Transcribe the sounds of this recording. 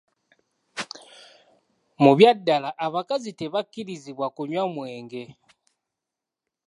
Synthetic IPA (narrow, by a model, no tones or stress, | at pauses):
muβjadːalaʔaβakaziteβakːiɾiziβwakuɲwamweːŋɡɛ